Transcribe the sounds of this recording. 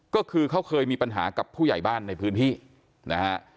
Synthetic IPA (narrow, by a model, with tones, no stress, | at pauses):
kɔː˥˩kʰɯː˧kʰa˦˥˩wkʰɤː˧jmiː˧pa˧nɦa̰ː˩˦ka˨˩pʰuː˥˩ja̰˨˩jbaː˥˩nːa˧jpʰɯː˦˥nt̪ʰiː˥˩ | na˦˥kʰa˦˥ʔ